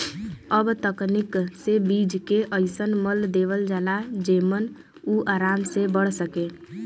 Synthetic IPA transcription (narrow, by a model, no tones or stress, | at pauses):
əbt̪əknɪksebiːd͡ʒkeʔəɪsənməld̪eːʋəld͡ʒalad͡ʒeːmən | uʔaːɾaːmsebəɽ̤səkeː